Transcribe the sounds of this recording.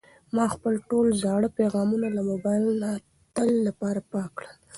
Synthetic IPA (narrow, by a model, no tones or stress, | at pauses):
mɑxpəlʈolzɑɽəpeɣɑmunalamobɑjlna | t̪əlːapɑɾapɑkɽəl